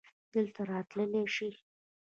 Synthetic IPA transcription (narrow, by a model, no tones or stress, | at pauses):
d̪əlt̪aɾɑt̪ləleʂi